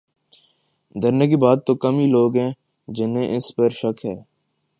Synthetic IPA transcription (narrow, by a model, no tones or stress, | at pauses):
d̪əɾneːk̬ibaːt̪ːoːkəmiːloːɡɦɛ̃ː | d͡ʒɪnɦẽʔɪspəɾʃəkʰɦɛː